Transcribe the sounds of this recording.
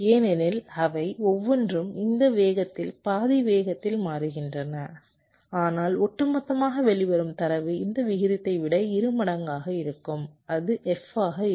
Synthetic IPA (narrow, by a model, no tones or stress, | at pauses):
eːnɛnɪlɐʋɐɪɔʋːɔndrɯmɪnd̪ɐʋeːɣɐt̪ːɪlpaːðɪʋeːɣɐt̪ːɪlmaːɾɯɣɪndrɐnɐ | aːnaːlɔʈːɐmɐt̪ːɐmaːɣɐʋɛɭɪʋɐɾɯmt̪ɐɾɐʋɯɪnd̪ɐʋɪɣɪɾɪt̪ːɐɪʋɪɽɐɪɾɯmɐɽɐŋɡaːɣɐɪɾɯkːɯmɐðɯʔɛfaːɣɐɪ